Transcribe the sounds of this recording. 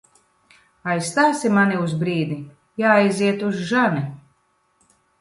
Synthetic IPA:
ajsːt̪aːsimaniuzbɾiːd̪i | jaːajziɛt̪uzʒani

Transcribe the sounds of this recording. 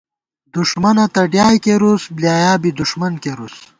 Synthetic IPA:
d̪uʂmɐnɐt̪ɐɖjaːjkeɾusbljaːjaːbid̪uʂmɐnkeɾus

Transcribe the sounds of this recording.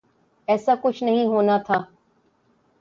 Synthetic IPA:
ɛːsaːkʊt͡ʃʰnəɦĩɦoːnaːt̪ʰaː

